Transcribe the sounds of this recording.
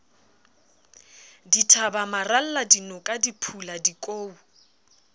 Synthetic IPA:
ditʰabamaral̩ladinɔkʼadipʰuladikʼoːu

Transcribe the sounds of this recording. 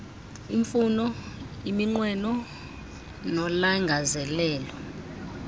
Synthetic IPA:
iɱfunɔ | imiŋ͡ǃwɛnɔ | nɔlaŋɡʱazɛlɛːlɔ

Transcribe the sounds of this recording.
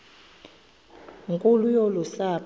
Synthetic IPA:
ŋkʼulujolusa

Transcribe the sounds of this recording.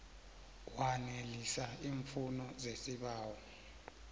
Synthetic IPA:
wanelisaiːɱfunɔzesiɓaːwɔ

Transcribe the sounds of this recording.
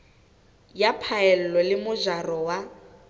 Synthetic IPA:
japʰaɛl̩lɔlɪmʊʒarɔwa

